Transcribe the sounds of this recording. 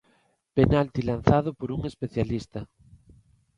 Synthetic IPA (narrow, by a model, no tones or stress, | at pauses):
penalt̪ilan̟θaðʊpoɾuŋespeθjalist̪a